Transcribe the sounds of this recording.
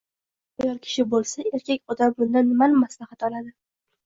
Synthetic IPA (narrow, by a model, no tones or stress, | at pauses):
ʊjɒɾkʲʰɪ̥ʃɪbolˠsae̞ɾkʲakʲɒd̪ambʊnd̪anːɪmalɪmːaslahat̪ɒlad̪ɪ